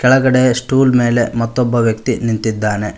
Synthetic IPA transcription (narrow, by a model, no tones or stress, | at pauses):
kɛɭɐɡɐɽesʈuːlme̞ːle̞mɐt̪ːɔbːɐʋjɐkt̪inint̪id̪ːaːne̞